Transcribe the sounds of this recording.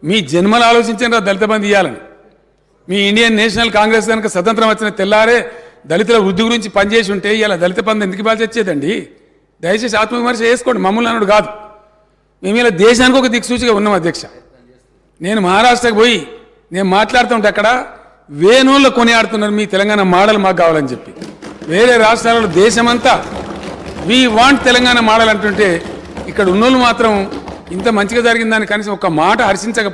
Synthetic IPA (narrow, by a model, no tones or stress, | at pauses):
miːd͡ʒenmɐlaːlo̞ːt͡ʃiɲt͡ʃɐnɾaːd̪ɐlit̪ɐpɐnd̪ijːaːlɐni | miːiɳɖijɐnːɛːʂ̬ɐnɐlkaːŋɡɾe̞ːs̬ɡɐnɐkɐsɐt̪̬ɐnt̪ɾɐmʋɐt͡ʃːinɐt̪ɛlːaːɾe̞ːd̪ɐlit̪̬ɐlɐʋɾud̪ːiɡuɾiɲt͡ʃipɐɲt͡ʃeːs̬uɳʈe̞ːijalaːd̪ɐlit̪ɐpɐnd̪ɐend̪ikibaːlt͡ʃet͡ʃːɛːd̪ɐɳɖi | d̪ɐjɐt͡ʃeːs̬aːt̪mɐʋimɐɾʃɐe̞ːsukoːɐɳɖimɐmːulnɐnːɐɽukaːd̪u | me̞ːmilaːd̪ɛːʃaːnikiɔkɐd̪iksuːt͡ʃiɡaːunːaːmɐd̪ʱjɐkʂɐ | ne̞ːnumɐɦaːɾaːʂʈɾɐkɐboːji | ne̞ːnumaːʈlaːɽut̪aːuɳʈ̬ːɐkːɐɽɐ | ʋeːnoːlːoːkoniaːɽt̪̬unːaːɾumiːt̪ɛlɐŋɡaːnɐmaːɽɐlumaːkːaːʋaːlɐnd͡ʒepːi̥ʋe̞ːɾe̞ːɾaːʂʈɾaːlɐloːd̪ɛːʃɐmɐnt̪aː | ʋiːʋaːɳʈ̚t̪ɛlɐŋɡaːnɐmaːɽɐlɐɳʈuɳʈe̞ː | ikːɐɽunːoːlumaːt̪ɾɐm | int̪̬ɐmɐɲt͡ʃiɡaːd͡ʒɐɾiɡind̪aːnikːkɐniːs̬ɐmɔkɐmaːʈɐɦɐɾʃiɲt͡ʃɐkɐ